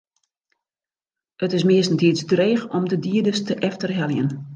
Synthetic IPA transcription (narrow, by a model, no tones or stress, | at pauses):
ətɪsmɪəstn̩tʰiəsdreːχɔmdədiədəstəʔɛftərɦɛljən